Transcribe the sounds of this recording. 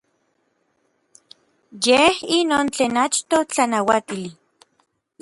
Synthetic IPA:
jehinoːnt͡ɬeːnat͡ʃt̪ot͡ɬanawat̪ili

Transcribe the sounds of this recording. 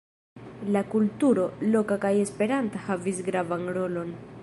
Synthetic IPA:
lakultuɾo̞lo̞kakaje̞spe̞ɾantahavisɡɾavanɾo̞lo̞n

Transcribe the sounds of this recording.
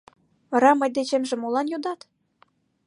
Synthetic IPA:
vɑɾɑmɤ̆jʲd̪et͡ɕemʒĕmolɑnjud̪ɑt̪

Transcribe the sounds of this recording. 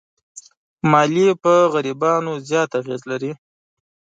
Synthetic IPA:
mɑlipəɣaɾibɑnozjɑt̪aɣezlaɾi

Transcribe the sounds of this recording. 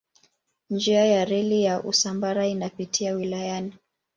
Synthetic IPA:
nd͡ʒiajaɾɛlijaʔṵsambaɾainapitʰiawilajani

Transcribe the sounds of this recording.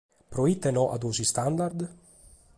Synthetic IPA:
pɾoit̪ːenɔʔa̰d̪unsist̪and̪aɾd̪

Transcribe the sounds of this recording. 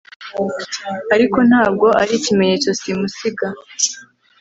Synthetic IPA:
aɾiko̞n̥haːb̚ɡo̞ʔaɾicime̞ɲe̞t͡so̞simusiɡa

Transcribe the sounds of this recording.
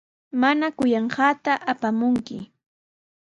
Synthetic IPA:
manakʊjɑɴɢɑːt̪aʔapamʊŋkɪ̰

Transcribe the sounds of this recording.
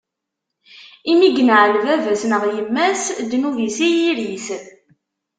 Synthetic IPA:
imiɡənʕəlvævæsnəʁjəmːæsd̪nuvisijiɾis

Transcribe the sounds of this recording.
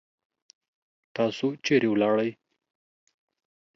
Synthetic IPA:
t̪ɑsot͡ʃeɾewlɑɽaj

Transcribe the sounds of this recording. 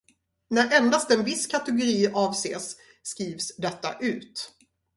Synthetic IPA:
næɾʔɛnd̪ast̪ɛnvɪskʰat̪ɛɡʊɾiːʔɑːvsḛːsː | kɾiːvsd̪ɛt̪ːa̰ʔʉ̟ːt̪

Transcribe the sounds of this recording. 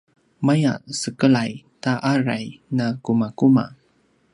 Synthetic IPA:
maja̰səkəlajtaʔaɾajnakumakuma̰

